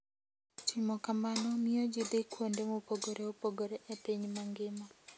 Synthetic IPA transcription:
timɔkamanɔmɪɔd͡ʒid̪ɪkwondemopoɡoɾeopoɡoɾeʔepiɲmaŋɡɪmɔ

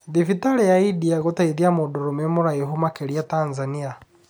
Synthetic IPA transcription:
ðifitaɾɛjaidiaɣotaiðiamodoɾomɛmoɾaɛɦumakeɾiatanzania

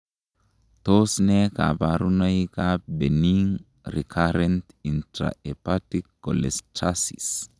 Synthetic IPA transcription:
t̪osnɛka̰baɾunaikabeniŋ | rikʰaɾɛnt | intɾa̰epatikːɔlɛstasḭs

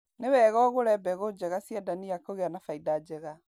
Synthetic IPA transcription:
newɛɣɔɣoɾɛbɛɣod͡ʑɛɣasjadaniakoɣeanafaidad͡ʑɛɣa

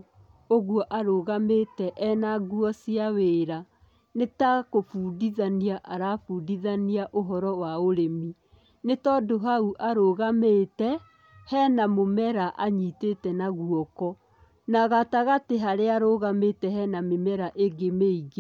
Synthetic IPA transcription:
oɣuɔʔaɾoɣametɛʔɛnaɣuɔsiaweːɾa | netakofuːdiðaniaʔaɾafuːdiðaniaʔoɦɔɾɔwaoɾemi | netɔdoɦauʔaɾoɣametɛ | hɛnamomɛɾaʔaɲiːtetɛnaɣuɔkɔ | naɣataɣateɦaɾeaɾoɣametɛɦɛnamemɛɾaʔeɡemeiɣe

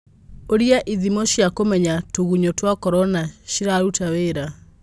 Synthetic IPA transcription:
oɾiaʔiðimɔɕjakomɛɲatoɣuɲotwakɔɾɔnaʃiɾaɾutaweɾa

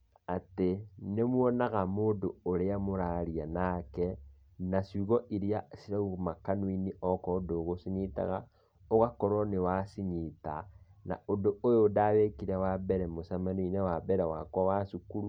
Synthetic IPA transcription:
atenemwɔnaɣamoːndooɾeamoɾaɾianakɛ | nasiɣɔʔiɾiasiɾaumakanwiniʔɔkɔdoɣosiɲita̰ɣa | oɣakɔɾɔnewasiɲitana̰odoojodaβekiɾɛwabɛɾɛmosamaninewabɛɾɛwakwawasukuɾu

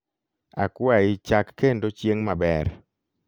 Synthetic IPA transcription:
a̰kwaɪt͡ʃakːendot͡ʃjeŋmabɛr

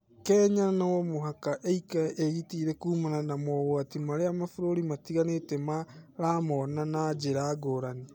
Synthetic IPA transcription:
kɛːɲaɾanawɔmoɦakaʔeikaʔeɣitiːɾɛkuːmananamɔɣoatimaɾeamafoɾoɾimatiɣanetɛmaɾamɔnanad͡ʒeɾaːɡoɾane

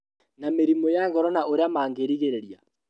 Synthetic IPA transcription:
nameɾimɔjaŋɡɔɾɔnaoɾeamaːŋɡeɾiɣeɾeɾia

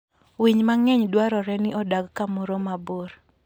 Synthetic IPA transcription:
wiɲmaŋɛɲdwaɾɔɾɛnɪʔɔdaɡkamoɾomaboɾ

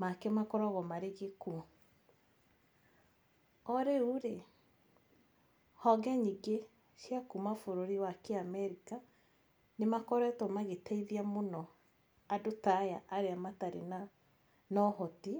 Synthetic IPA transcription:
makɛmakɔɾɔɣɔmaɾeɣekuɔ | ɔɾeuɾe | hɔɡɛɲiɡe | ɕjakumafoɾoɾiwakeamɛɾika | nemakɔɾɛtɔmaɣetaiðiamonɔ | adotaja̰ʔːɾeamataɾḛna | nɔhɔti

